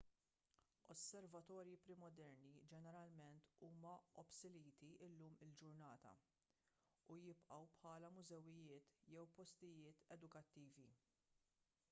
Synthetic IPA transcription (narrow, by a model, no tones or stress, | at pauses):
ɔsːɛɾvɐt̪ɔːɾjipɾɪmɔd̪ɛɾnid͡ʒɛnɛɾɐlmɛnt̪uːmɐɔpsɪliːt̪iɪlːuːmɪld͡ʒʊɾnɐːt̪ɐ̰ | ujɪpʔɐwpħɐːlɐmʊzɛwːɪjɪːt̪jɛwpɔst̪ɪjɪːt̪ɛd̪ʊkɐt̪ːiːvi